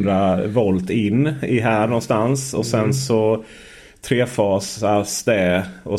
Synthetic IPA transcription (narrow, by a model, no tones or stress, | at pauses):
d̪ɾavɔlt̪ɪnːɪɦæːɳɔnst̪ansɔsɛnsɔ | t̪ʰɾeːfɑːsasd̪ɛɔ